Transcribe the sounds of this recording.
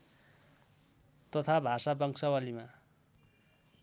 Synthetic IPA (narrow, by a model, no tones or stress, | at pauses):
t̪ʌt̪ʰabʱasabʌŋsʌwalima